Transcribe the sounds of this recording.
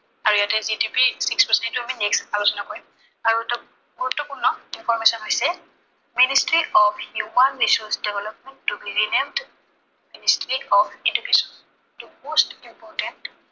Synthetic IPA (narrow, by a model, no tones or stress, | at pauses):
aɹuijatɛzidipisikspaɹsɛ̃ntuamineksalusɔnakɔɹɛ | aɹut | ɔtɔkunːɔinfʰɔɹmesɔnɦɔjsɛ | ministɹiɔfhjumanɹisɔsdɛvɛlɔp̚mɛntːubiɹinimd | ministɹiɔfidukesɔ̥n | tumostimpɔɹtɛnt